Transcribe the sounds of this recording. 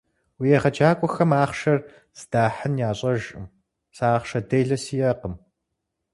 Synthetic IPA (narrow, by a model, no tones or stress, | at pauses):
wijɛχɐt͡ʃʰaːkʷʼɔxɐmaːχʃɐr | z̥d̥aːħɨnjaːɕʼɐʒʼɨ̰m | saːχʃɐdejɮɐsijɐqəm